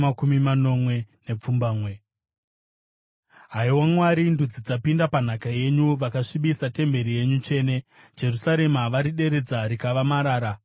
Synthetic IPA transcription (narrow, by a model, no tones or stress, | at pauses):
akumimano̞mwe̞ne̞p͡fumbaːmwe̞ | ɦaiwamwaɾindud͡zid͡zapindapan̤akaje̞ɲuʋakaʂiɓisate̞mbe̞ɾije̞ɲut͡ʃe̞ːne̞ | d͡ʒe̞rusaɾe̞maʋaɾiɗe̞ɾe̞d͡zaɾikaʋamaɾaːɾa